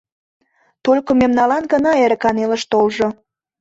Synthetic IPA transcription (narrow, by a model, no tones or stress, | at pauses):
t̪olʲkomemnɑlɑnɡənɑeɾəkɑnelə̆ʃt̪olʒo